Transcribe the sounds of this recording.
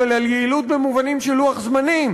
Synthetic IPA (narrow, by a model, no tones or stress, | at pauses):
elaljeilut̪̚bemuvanimʃeluaχzmanim